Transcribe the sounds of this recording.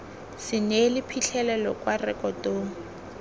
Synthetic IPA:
sɪnelɪpʰiɬʰɛlɛlɔkʼwarɛkʼɔtoːŋ̩

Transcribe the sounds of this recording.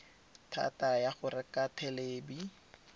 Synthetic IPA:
tʰa̰tajaχʊrɪkʼatʰɛleːbi

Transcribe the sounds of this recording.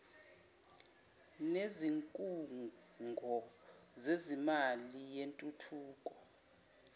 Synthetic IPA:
neziŋkʼu | ŋɡʱɔ | zezimalijentʼutʰuːkʼɔ

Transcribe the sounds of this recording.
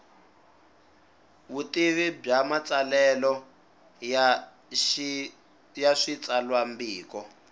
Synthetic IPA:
βutiβib͡ʐamat͡salɛlɔ | jaʂit͡sʼalwambiːkɔ

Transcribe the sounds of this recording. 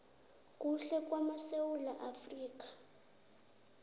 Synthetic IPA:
kʼuɬɛk̬ʼwamasewulaʔafriːk̬ḁ

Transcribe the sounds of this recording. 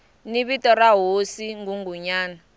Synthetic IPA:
niβitʼɔɾaɦosiŋɡuŋɡuɲaːna

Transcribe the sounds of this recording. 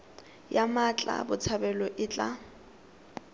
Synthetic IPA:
jamat͡ɬʼa̰bʊt͡sʰabɛlɔʔɪt͡ɬʼa

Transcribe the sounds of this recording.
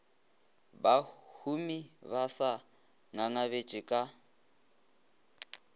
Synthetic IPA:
bahumiβasa | ŋaŋaβe̥t͡ʃʼɪkʼa

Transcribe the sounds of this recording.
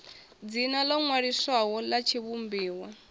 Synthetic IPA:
d͡zinalɔŋwaɾiswaɦɔlat͡ʃʰiβumbiːwa

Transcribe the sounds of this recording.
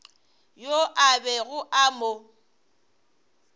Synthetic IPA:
joʔabɛɣʊʔamo

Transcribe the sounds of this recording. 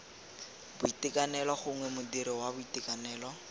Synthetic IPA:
bʊitɪkʼanɛlɔχʊŋwɛmʊdiɾɪwabʊitikʼanɛːlɔ

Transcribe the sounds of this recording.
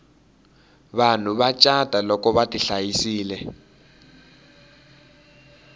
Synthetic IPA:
βan̤uβat͡ʃʼad̥ʱalɔkɔβatʼiɬajisiːlɛ

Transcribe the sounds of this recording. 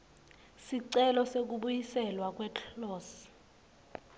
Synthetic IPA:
siǀɛlɔsek̬uɓujisɛlwak̬wɛtʰlɔs

